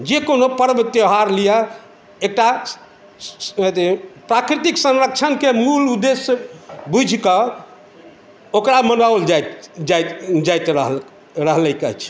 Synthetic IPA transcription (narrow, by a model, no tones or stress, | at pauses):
d͡ʒekonopəɾbt̪jeɦaɾlija | ek̚ʈa | t̪epɾakɾit̪iksə̃nɾək̚t͡ʃʰənkemulud̪esbud͡ʒʱkə | okɾamənawld͡ʒajt̪d͡ʒad͡ʒajt̪ɾəɦ | ɾəɦlɛkə̰t͡ʃʰ